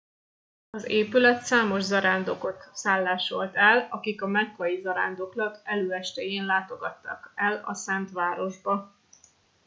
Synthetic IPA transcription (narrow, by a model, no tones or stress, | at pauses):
ɒzeːpylɛt̪saːmo̞ʒzɒɾaːnd̪o̞ko̞t̪saːlːaːʃo̞lt̪ɛlɒkikɒmɛkkɒjizɒɾa̰ːnd̪o̞klɒkɛløːɛʃt̪ɛjeːnlaːt̪o̞ɡɒt̪ːɒkɛlɒ̰sɛnt̪ʋaːɾo̞ʒbɒ